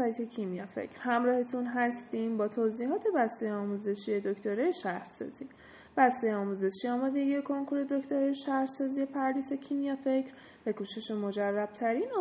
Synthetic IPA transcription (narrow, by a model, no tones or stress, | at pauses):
ɒjt̪ʰe̞cʰimijɒfḛcʰɾ̥hæmɾɒːhet̪ʰunɦæst̪imbɒːt̪ʰoziːɦɒːt̪ʰe̞bæst̪ejeɒːmuːze̞ʃie̞d̪oct̪ʰoɾɒjeʃæhɾsɒ̰z̥i | b̥æst̪e̞jeɒːmuːze̞ʃiɒːmɒːd̪e̞ɟiekʰo̞ŋkʰuɾe̞d̪o̞ct̪ʰoɾɒjeʃæhɾsɒːzie̞pʰæɾliːse̞cʰimijɒfe̞cʰɾ | bækuːʃeʃemo̞d͡ʒærːæb̥̚t̪ʰæɾinɒ